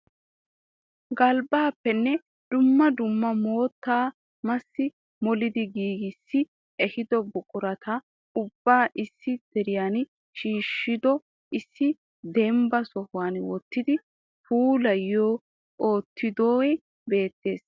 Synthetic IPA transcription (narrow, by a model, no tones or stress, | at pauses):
ɡɐlbaːpːɛnːɛ | d̪̥ʊmːɐd̪ʊmːɐmo̞ːt̪ːaː | mɐsːɪ | mɔlɪd̪ɪɡiːɡɪsːɪ | ɛhɪd̪ɔbʊkʼʊɾɐt̪ɐ | ʊbːaːʔɪsːɪd̪̥ɛɾɪjan | ʃiːʃːɪd̪ɔ | ɪsːɪ | d̪ɛmbɐsɔhʊwanwɔt̪ːɪd̪ɪ | fuːlɐjːoː | oːt̪ːɪd̪oːɛ | be̞ːt̪ːe̞ːs